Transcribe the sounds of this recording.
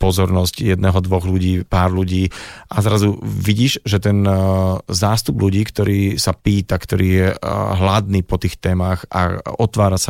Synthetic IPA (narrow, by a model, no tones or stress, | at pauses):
pɔzɔɾnɔscjɛd̪nɛːɦɔd̪ʋɔɣluɟiːpaːɾluɟiːʔazɾazuʋiɟiːʒʒɛt̪ɛnzaːst̪ubluɟiːkt̪ɔɾiːsapiːt̪akt̪ɔɾiːjɛɦlad̪niːpɔt̪iːxt̪ɛːmaxa̰ɔt̪ʋaːɾasa